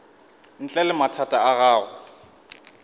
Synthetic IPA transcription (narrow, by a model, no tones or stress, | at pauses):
n̩t͡ɬʼɛlɪmatʰatʼaaɣaːɣʊ